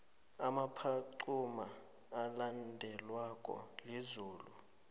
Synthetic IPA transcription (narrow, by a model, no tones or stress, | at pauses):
amapʰaǀumaː | landʱɛlwakʼɔ̰lizuːlu